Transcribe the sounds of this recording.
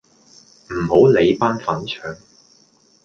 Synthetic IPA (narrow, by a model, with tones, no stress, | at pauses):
m̩˨˩ho˨˥wle˨˧jpaː˥nfɐ˨˥nt͡ʃʰœː˨˧ŋ